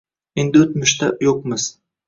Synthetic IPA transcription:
end̪ɪot̪mɪʃt̪ʰajoq̚mɪz̥

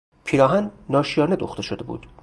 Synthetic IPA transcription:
pʰiːɾɒːɦænːɒːʃijɒːne̞d̪o̰xt̪e̞ʃod̪e̞bṵːd̪̥

